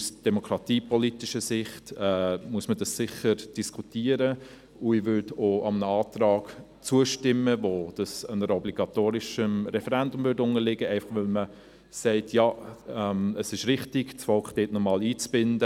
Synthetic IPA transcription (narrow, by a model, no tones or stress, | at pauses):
usd̥ɛmokɾɑt̪iːpɔlitɪʃəsɪχtɛmuəsmədɑssɪχəɾd̥iskʰutiːəɾə | ʊɪʋʏɾdoʔɑmənəɑːtɾɑːɡ | t͡suəʃtɪmːəvod̥ɑsənəɾəɔbliɡ̥ɑtoːɾɪʃəmɾɛfɛɾɛndʊmvʏɾdʊnəlɪɡəɛɪfɑχʋɛlmə | sɛɪtjɑːɛməsɪʃɾɪχtɪɡsfɔlkχd̥eːtnɔmɑːliːt͡sb̥ɪndə